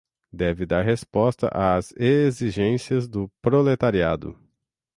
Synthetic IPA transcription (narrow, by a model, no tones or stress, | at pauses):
d̪ɛvɪd̪aɾɦespɔst̪ɐ̰ʔaːzeziʒẽsiɐzd̪ʊpɾolet̪aɾiad̪ʊ̰